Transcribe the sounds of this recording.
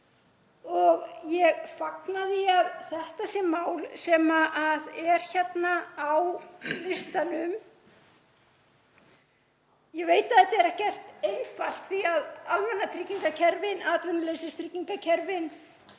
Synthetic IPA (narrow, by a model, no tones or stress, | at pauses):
ɔɣjɛɣfaknaðɪaðθɛht̪asjɛmaːwlsɛmaʔaðɛɾ̥çɛt̪naːawlɪst̪anʏm | jɛveːjt̪aðɛht̪aɛɾɛhcɛr̥t̪ejnfal̥t̪fiaðalvɛnːat̪ʰɾɪcːiŋkacʰɛɾvɪnaːt̪vʏnaleːsɪst̪ʰɾɪcːiŋkacʰɛɾvɪn